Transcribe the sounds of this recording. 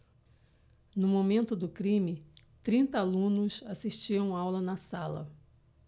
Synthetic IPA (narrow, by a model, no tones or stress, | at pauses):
nʊmomẽnt̪ʊd̪ʊkɾĩmɪ | t̪ɾĩnt̪ɐalũnʊsasiʃt͡ʃiɐ̃w̃awlɐnɐsalɐ̰